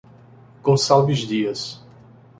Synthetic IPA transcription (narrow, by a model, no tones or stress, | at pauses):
ɡ̥õsalvizd̪iɐs